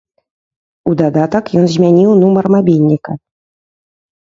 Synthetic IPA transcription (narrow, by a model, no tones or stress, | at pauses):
ud̪ɑd̪ɑt̪ɤ̆kjonʑmʲænʲilˠnumɤ̆rmɑbʲilʲnʲikə